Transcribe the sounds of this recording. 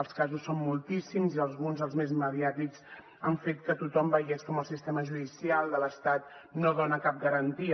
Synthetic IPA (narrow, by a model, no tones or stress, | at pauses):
əlˠskazusːommulˠt̪isimziəlˠzɣunzðəlˠzmezməðiat̪ikz | əɱfet̪̚kət̪ut̪ɔmbəɣɛskɔməlˠsist̪ɛməʒuðisialˠd̪ələst̪at̪̚noðonəkap̚ɡəɾənt̪i